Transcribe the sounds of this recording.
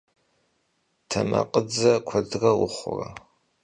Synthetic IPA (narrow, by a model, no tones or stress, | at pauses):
tʰɐmɐqʼəd͡zɐkʷʰɐdrɐwʊχʷʊrɐ